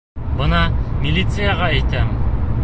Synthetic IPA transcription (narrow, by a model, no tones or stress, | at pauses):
bɤnɑmʲilʲːit̪sɨjaʁɑæjt̪æm